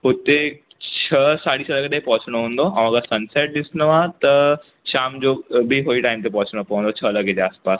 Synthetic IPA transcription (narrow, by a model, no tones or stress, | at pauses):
ʊt̪e | t͡ɕʰɐsaːɽisʰɐləɡd̪eɦĩpɔɦʊt͡ɕɽ̃oɦũːnd̪oɐʋ̤ãːkʰasɐnseːʈ̚ɗɪsnoʋãt̪ɐ | ʃaːmd͡ʑobʱiɦoːiʈaːɪmt̪̬epɔɦʊt͡ɕɽ̃opɐʋə̃nd̪ot͡ɕʰɐlɐɡʱed͡ʑeaːspaːs